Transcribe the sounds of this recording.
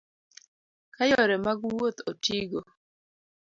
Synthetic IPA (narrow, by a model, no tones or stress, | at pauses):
kajɔɾɛmaɡwot̪otiɡo